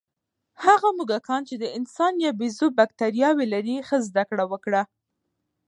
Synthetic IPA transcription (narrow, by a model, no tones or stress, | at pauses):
haɣamuɡakʰɑnt͡ʃed̪əɪnsɑnjɑbizobak̚t̪aɾjɑwelaɾixəzd̪akɽawəkɽa